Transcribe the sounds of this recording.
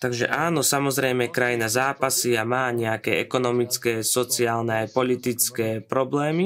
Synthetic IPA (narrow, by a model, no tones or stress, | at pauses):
t̪aɡʒɛ̰ʔaːnɔsamɔzɾɛjmɛkɾajinazaːpasiamaːɲɛakɛːɛkɔnɔmit͡skɛːsɔt͡siaːlnɛajpɔʎit̪it͡skɛːpɾɔblɛːmi